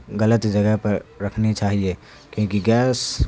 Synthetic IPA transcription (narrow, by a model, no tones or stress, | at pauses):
ɣɐlət̪d͡ʒɐɡəɦpɐɾɾɐkʰnit͡ʃaːɦieː | kjõːkiɡɛːs